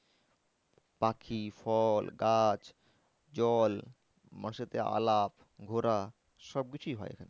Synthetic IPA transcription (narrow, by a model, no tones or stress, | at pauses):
pakʰifʰɔlɡat͡ɕ | d͡ʑɔl | mãʃet̪ea̰lap | ɡʱoɾa | ʃɔb̚kit͡ɕʰuiɦɔeḛkʰane